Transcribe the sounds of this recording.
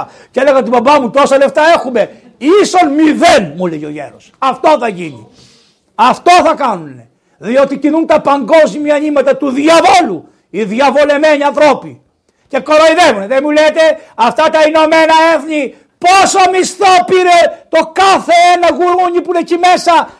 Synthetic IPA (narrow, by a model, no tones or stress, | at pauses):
cele̞ɣɐot̪ibɐbɐmut̪o̞sɐle̞ft̪ɐe̞xume̞ | iso̞nmiðenmuleʝo̞̰ʝe̞̰ɾosɐft̪o̞θɐʝinḭ | ɐft̪o̞θɐkɐnune̞ | ðio̞t̪icinunt̪ɐpɐŋɡo̞zmiɐeɲimɐt̪ɐt̪uðiɐvo̞lu | iðiɐvo̞le̞meɲiɐ̃nθɾo̞pi | ce̞ko̞ɾoiðevuneðemulet̪e̞ɐft̪ɐt̪ɐino̞me̞nɐeθɲi | po̞soɐmist̪o̞piɾet̪o̞kɐθe̞enɐɣuɾuɲipunecime̞sɐ